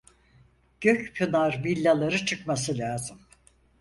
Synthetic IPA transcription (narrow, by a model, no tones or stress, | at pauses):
ɟ̥øcpʰunaɾvilʲːalˠaɾɯt͡ʃʰɯkmas̬ɯlʲaːzɯm